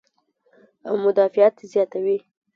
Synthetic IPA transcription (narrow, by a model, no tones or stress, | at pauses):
awmʊd̪ɑfijat̪zjɑt̪awi